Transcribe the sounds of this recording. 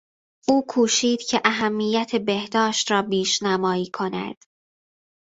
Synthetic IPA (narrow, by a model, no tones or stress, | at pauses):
ʔuːkʰuːʃiːd̪̥cʰe̞ʔæɦæmːijæt̪ʰe̞be̞hd̪ɒːʃt̪ɾɒːbiːʃnæmɒːiːkʰo̞næ̰d̪̥